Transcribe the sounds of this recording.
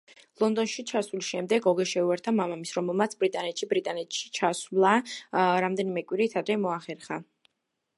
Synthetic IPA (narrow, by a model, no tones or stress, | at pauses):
lˠɔnd̪ɔnʃit͡ʃʰasulisʃɛmd̪ɛɡɔɡɛʃɛuɛɾt̪ʰamamamisɾɔmɛlˠmat̪sʰbɾit̪ʼanɛt̪ʃibɾit̪ʼanɛt̪ʰʃi̥t͡ʃʰaslˠaɾamd̪ɛnimɛkʼwiɾit̪ʰad̪ɾɛmɔaχɛɾχa